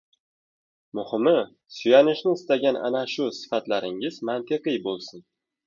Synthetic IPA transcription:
mʊhɪmɪ | sʊjanɪʃnɪɪst̪aɡʲanʔa̰naʃʊsɪ̥fat̪laɾɪŋɪzmant̪ʰɪqɨjbolˠsɪn

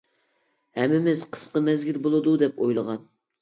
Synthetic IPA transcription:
hɛmːɪmɪzqʰə̥sqəmɛzɡʲilbolˠɨd̪ud̪ɛpojlˠəʁɑn

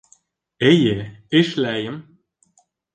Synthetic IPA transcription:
ejeeʃlæjɘ̆m

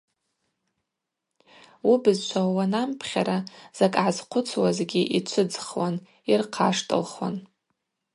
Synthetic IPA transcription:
ubɨzt͡ʃʷʰawanampʰχʲa̰ɾaz̥akʼʕazqʷʰʊt͡sʰwazɡʲiʔit͡ʃʷʰɨd͡zχwan | irqʰaʂtʼɨ̰lχwa̰n

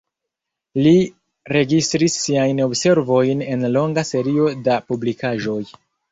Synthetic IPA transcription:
li | ɾe̞ɡist̪ɾisːiajno̞bse̞ɾvo̞jne̞nlo̞ŋɡase̞ɾio̞dapublikaʒo̞j

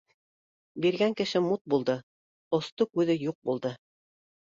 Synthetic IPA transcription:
biɾɡæŋkɘ̆ʃɘmut̪̚bulˠd̪ɤ | ŏst̪okʉðɘjuq̚bulˠd̪ɤ

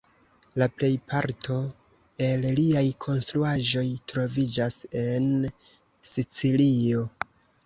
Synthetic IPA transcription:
laple̞jpʰaɾtʰo̞ | e̞lliajkʰo̞nstɾuaʒo̞jtɾo̞vid͡ʒase̞n | sit͡silio̞

